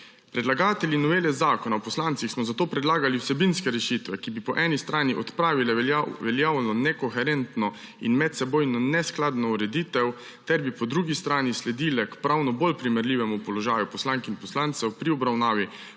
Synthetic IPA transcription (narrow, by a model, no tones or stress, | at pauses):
pɾɛd̪laɡaːt̪ɛljinɔʋeːlɛzaːkɔnawpɔslaːnt̪sixsmɔzat̪oːpɾɛd̪laːɡaliwsɛbinskɛɾɛʃit̪ʋɛkibipɔʔɛnist̪ɾʔaːniʔɔt̪pɾaːʋilɛʋɛljaːwlɛnɔnɛkɔxɛɾɛnt̪nɔ | inmɛt̪sɛboːjnɔnɛsklaːd̪nɔuɾɛd̪iːt̪ɛw | t̪ɛɾbipɔd̪ɾuːɡist̪ɾaːnislɛd̪iːlɛkpɾawnɔbolpɾimɛɾlʲiːʋɛmupɔlɔʒaːjupɔslaŋkinpɔslaːnt̪sɛwpɾiɔbɾawnaːʋi